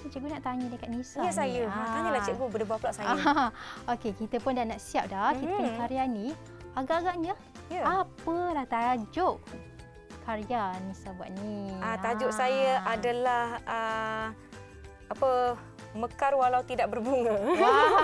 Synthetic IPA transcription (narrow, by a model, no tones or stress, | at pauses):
at͡ʃəʔɡunaʔt̪aɲədəkat̪̚nisaasajəaɲəlat͡ʃəʔɡubədəbaplaʔsajaəokekit̪əpʊndanaʔsiap̚dahkit̪əpnkaɾianĩ | aɡaʔaɡaʔɲə | japəlaht̪ad͡ʒoʔ | kaɾjanisabua̰ʔ̪̚niaad͡ʒʊʔsajəadalahə | apə | məkarwalawt̪idaʔ̚bərbuŋə